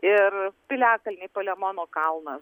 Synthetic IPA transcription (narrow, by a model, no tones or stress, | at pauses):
ɪrpʲɪlʲæːkɐlʲnʲɛɪpoːlʲɛmoːnoːkɐlˠnɐs